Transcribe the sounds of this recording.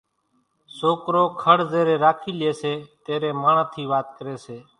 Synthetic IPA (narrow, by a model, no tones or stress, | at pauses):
soːkɾoːkʰəɽzeːɾeːɾaːkʰiːljeːseːt̪eːɾeːmaːɳat̪ʰiːʋaːt̪kəɾeːseː